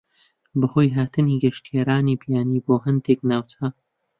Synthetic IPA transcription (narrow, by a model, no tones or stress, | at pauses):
bɨhoːjɦaːt̪ʰɨniɡɐʃt̪jeɾaːniːpʰjaːniːboːɦɨnd̪eknaːwt͡sa